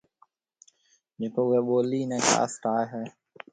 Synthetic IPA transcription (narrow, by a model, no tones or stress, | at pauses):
d͡ʒeːkoːʊɦeːɓoːliːnɛ̃ːka̰ːsʈaːeɦɛː